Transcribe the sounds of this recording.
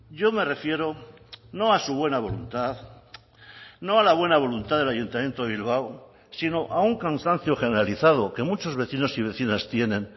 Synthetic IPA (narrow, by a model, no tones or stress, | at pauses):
ɟ͡ʝo̞me̞re̞fje̞ɾo̞ | no̞asuβwe̞naβ̞o̞lunt̪að | no̞alaβ̞we̞naβ̞o̞lunt̪aðelaʝunt̪amje̞nt̪oeβ̞ilβ̞aw | sino̞ʔauŋkansan̟θjo̞xe̞ne̞ɾaliθað̞o̞ke̞mut͡ʃo̞zβe̞θino̞siβ̞e̞θinast̪je̞nẽ̞n